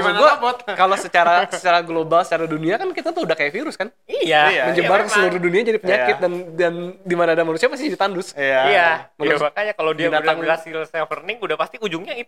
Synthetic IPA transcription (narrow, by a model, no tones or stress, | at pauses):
maŋɡuabt̪kalosət͡ʃaɾasə̥t͡ʃaɾaɡlobalsə̥t͡ʃaɾaduniakankit̪at̪uudahkajaʔfiɾʊskan | ijaməɲd͡ʒəbarkəsəluɾuduniad͡ʒadipəɲakɪt̪̚dandandimanaːdamanusiapast̪id͡ʒdit̪andʊsjaiamaakaɲakalodiaadaŋɡasɪlsajaŋfərnɪŋudahpast̪iud͡ʒʊŋɲait̪